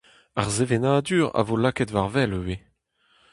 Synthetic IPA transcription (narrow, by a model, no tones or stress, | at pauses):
aʁzevenaːd̪yːʁa̰volakɛtvaʁvɛløwe